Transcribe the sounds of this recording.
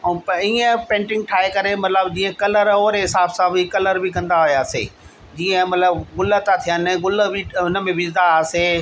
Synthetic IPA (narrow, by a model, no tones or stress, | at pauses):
piːə̃pẽːɳʈɪ̃ŋɡ̚ʈʰaːɦekɐɾemɐt̪ləbd͡ʑĩːə̃kɐləɾoːɾeɦɪsaːbsãːbikɐləɾbʱikɐ̃nd̪aɦʊjaːsḛː | d͡ʑiːə̃mɐt̪ləbɡʊlət̪at̪ʰijənɪɡʊlə̆bʱiʊnəmẽʋɪzd̪ase